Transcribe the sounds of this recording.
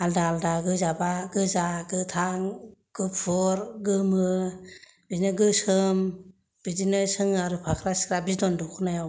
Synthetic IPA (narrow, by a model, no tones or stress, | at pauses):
aldaldaɡɯzabaɡɯzaɡɯtʰaŋɡ̥ɯppʰɔɾɡɯmɯ | b̥inɯɡɯsɯm | b̥idinɯsɯŋaɾɯpʰakʰɾasi̥kʰɾabizdɔndɔkʰɯnajaw